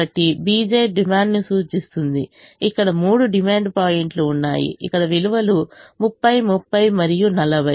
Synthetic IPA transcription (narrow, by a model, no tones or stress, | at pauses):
ɐʈːibiːd͡ʒeːɖimaːɳɖnisuːt͡ʃist̪und̪ḭ | ikːɐɽɐmuːɽuɖimaːɳɖpaːjeɳʈluːnːa̰ːjḭḭkːɐɽɐʋiluʋɐlumupːɐjmupːɐjmɐɾijunɐlɐbɐ